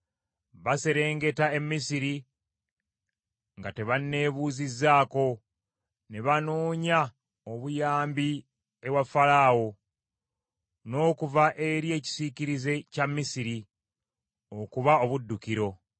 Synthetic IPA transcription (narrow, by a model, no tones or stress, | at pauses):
βase̞ɾe̞ːŋɡe̞tae̞mːisiɾi | ŋɡate̞βanːe̞ːβuːzizːaːko̞ | ne̞βanoːɲa | oβujaːmbi | eβwafalaːwo̞ | no̞ːkuvaʔe̞ɾie̞ːci̥siciɾize̞camːisiɾi | o̞kuβao̞βudːukiɾo̞